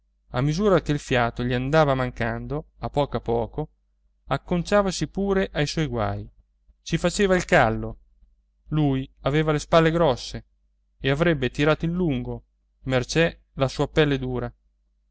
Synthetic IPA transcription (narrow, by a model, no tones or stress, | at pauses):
a̰mːizuːɾakeilfjaːt̪oʎiand̪aːvamaŋkand̪oapːɔːkoapɔːko | akːont͡ʃaːvasipuːɾeʔajswɔjɡwa̰ːj | t͡ʃifat͡ʃeːvailkalːo | luːjaveːvalespalːeɡɾɔsːe | eavɾɛbːet̪iɾaːt̪oinluŋɡo | mert͡ʃɛ | lasuːapɛlːed̪uːɾa